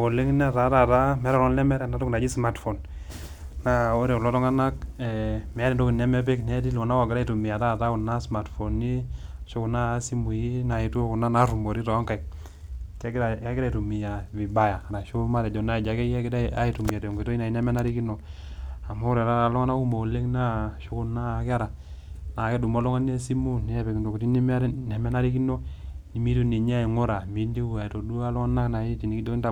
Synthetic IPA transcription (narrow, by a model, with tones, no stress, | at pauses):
o˨le˦ŋ˦n˦a˦ta˨˦ɾa˨ta˦mɛ˨˦ɾa˨lɔ˦nlɛ˦mɛ˦ɾɛ˦na˨to˦kna˨d͡ʒi˦sma˨tfo˨n | na˦o˦ɾe˨u˨lɔ˦tɔ˦ŋa˦na˦k̚ɛ˨mɛ˨˦ɾɛ˨ndo˦ki˨nɛ˦mɛ˦p̬e˦knɛ˦t̬i˦lo˨na˦wɔ˨ɡɪ˨ɾa˦i˨tu˨mi˨a˨ta˦˨ta˦ku˨na˦sma˨tfo˨nːi˦˨ʃo˦ku˨na˦si˦mu˨ji˦na˨i˨˦tu˦o˦ku˨na˦na˦ɾu˨mo˨ɾi˦tɔ˨˦ŋka˨k̚ | t͡ʃɡɾa˨a˦ɡɪ˦ɾa˦˨tu˨mi˨ja˨vi˨ba˦ja˨na˨ʃo˦ma˦ɾɛ˨d͡ʒɔ˨na˦i˨d͡ʒa˨ke˦kda˦a˦i˨tu˨mi˨a˨te˨ŋɡe˨to˦i˦na˨i˦na˦mɛ˦na˦ɾi˦ki˦no˨ | a˨mo˦ɾɛ˨ɾa˦a˨˦lɔ˦ŋa˦na˦u˦mo˨le˦ŋna˦ʃu˦ku˦na˦˨ka˦ɾa˨ | na˨ke˦du˨mo˦lɔ˦ŋa˦n˦e˦si˦mu˦ne˨˦ɛ˦˨pe˨kndo˨ku˨ti˦ni˦m˦ne˨mɛ˦na˦ɾi˦k̬i˦no˦ni˨mi˦tu˦ne˨ɲ˦a˦i˨ŋo˦ɾa˨mi˨ndi˦u˨a˨to˨du˦a˦lɔ˦ŋa˦na˦kna˨i˦ti˨ni˨ki˦do˦i˦nta˨